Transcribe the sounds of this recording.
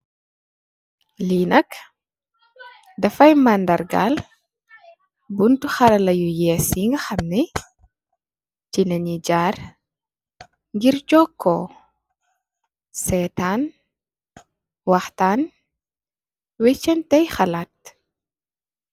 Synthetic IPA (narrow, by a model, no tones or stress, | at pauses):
liːnɐk | dɐfɐjmɐndɐɾɡa̰l | buntuxɐɾɐlɐjujɛːsjiŋɡɐxɐmnɛ | cinɐɲiɟaːr | ŋɡiɾt͡ʃɔkʰːɔ | sɛtan | wɐxtaːn | wɛt͡ʃːɛntɛjxɐlaːt̚